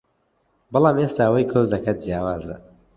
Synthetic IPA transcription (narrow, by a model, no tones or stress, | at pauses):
bɨlˠaːmeːst̪aːwɐjkʰoːzd̪ɐkʰɐt̪̚d͡ʒjaːwaːzɐ̰